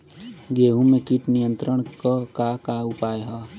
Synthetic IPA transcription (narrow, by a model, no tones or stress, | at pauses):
ɡeːɦũmẽkiʈnijə̃nt̪ɾəɽ̃kəkakaʊpaːjɦaː